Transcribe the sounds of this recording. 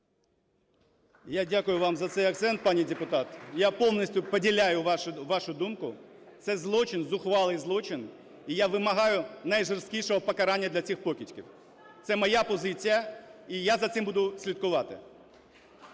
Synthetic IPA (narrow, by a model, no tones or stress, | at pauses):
jadʲakʊjʊʋɑmzɐt̪sɛjɐkt̪sɛnt̪̚pɑnʲijdʲepʊt̪ɑt̪japɔwnʲisʲtʲʊpɔdʲilʲajʊʋɑʃʊd̪umkʊ | t̪sɛzlˠɔt͡ʃɪnzʊxʋɑlˠɪjzlˠɔt͡ʃɪn | ijaʋɪmɐɦɑjʊnɐjʒerskʲijʃɔɦɔpɔkɐɾɑnʲːɐd̪lʲɐt͡sʲixpɔkʲitʲkʲḭw | t̪sɛmɐjapɔzɪt͡sʲijɐijazɐt̪sɪmbud̪ʊsʲlʲit̪kʊʋɑt̪ɪ̰